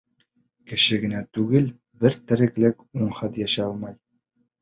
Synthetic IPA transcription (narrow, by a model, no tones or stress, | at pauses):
kɘ̆ʃɘɡɘ̆næt̪ʉɡɘl | bɘɾt̪ɘ̆ɾɘ̆klɘkuɴχɤt̪jæʃɑlˠmɑj